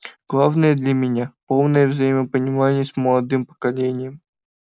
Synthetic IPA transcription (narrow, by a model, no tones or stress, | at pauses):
ɡ̥lˠavnəjəd̪lʲəmʲɪnʲapo̞lˠnəjəvzɐjiməpənʲɪmanʲɪjəsməlˠɐd̪ɨmpə̥kɐlʲenʲɪjəm